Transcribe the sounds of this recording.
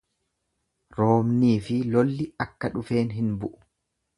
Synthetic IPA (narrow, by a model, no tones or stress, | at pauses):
ɾo̞ːmniːfɪlɔlːɪɐkːɐᶑʊfe̞ːnɦɪnbʊʔʊ̥